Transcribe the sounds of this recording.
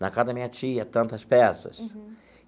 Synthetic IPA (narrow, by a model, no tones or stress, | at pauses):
nakad̪ɐmĩɲɐt͡ʃiɐt̪ɐ̃nt̪ɐspɛsɐ̰s